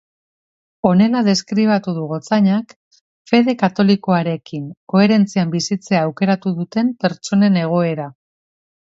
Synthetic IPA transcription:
o̞ne̞laðe̞skɾiβ̞at̪uð̞uɣo̞t͡saɲak | fe̞ð̞e̞kat̪o̞liko̞aɾe̞kiŋko̞e̞ɾe̞nt͡siambisit͡se̞aːwke̞ɾat̪uðut̪e̞mpe̞ɾt͡ʃo̞ne̞ne̞ɣ̞o̞e̞ɾa

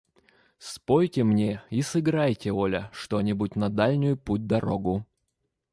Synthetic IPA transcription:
spojtʲɪmnʲeisɨɡɾajtʲɪolʲəʂt̪onʲɪbʊtʲnɐd̪alʲnʲʊjʊput̚ʲd̪ɐɾoɡʊ

